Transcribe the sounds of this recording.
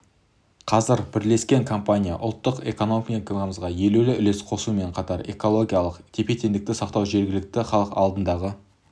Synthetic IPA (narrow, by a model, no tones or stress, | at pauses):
qʰɑzɪɾbɪɾle̞skʲe̞ŋkʰo̞mpanʲija̰ʔʊ̰lˠt̪ːəqe̞̰ko̞nomʲiekʲoɑməzʁɑje̞lulɪʔʏ̰le̞sqʰo̞sume̞ɴqʰɑt̪ɑɾe̞̰ko̞lˠo̞ɡʲijalˠəqt̪ʰʲepet̪e̞nd̪ɪk̚t̪ɪsɑqt̪ɑwʒe̞ɾɡʲɪlɪk̚t̪ɪχɑlˠəqɑ̰lˠd̪ənd̪ɑʁə